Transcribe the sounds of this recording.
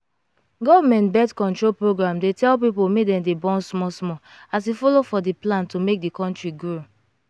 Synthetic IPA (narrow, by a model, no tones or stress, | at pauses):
ɡɔvmɛ̃ntbɛtkɔ̃ntɹolpɹoɡɹãmdetɛlpipomedɛ̃debɔ̃nsmɔsmɔ | asifɔlofɔdiplãntumek̚dikɔ̃ntɹiɡɹo